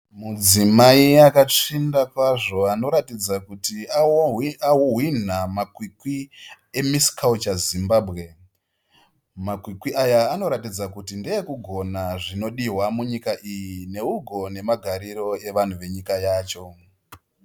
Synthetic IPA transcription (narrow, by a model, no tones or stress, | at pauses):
mud͡zimaiakat͡ʂindakwaʐo̞ano̞ɾatid͡zakutiaawoɦwin̤amakwikwi | e̞misi̥kawut͡ʃazimbaːbʱɣe̞ | makwikwiʔajaːno̞ɾatid͡zakutindejekuɡʱo̞naʐino̞ɗiɦwamuɲikaʔijine̞uɡʱo̞ne̞maɡʱaɾiɾo̞e̞ʋan̤uʋe̞ɲikajaːt͡ʃo̞